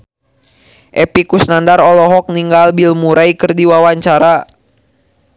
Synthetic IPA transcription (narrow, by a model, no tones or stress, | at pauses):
ʔɛpikusnandaɾɔlɔɦɔk̚niŋɡalbilmuɾʔaikərdiwawaɲt͡ʃaɾa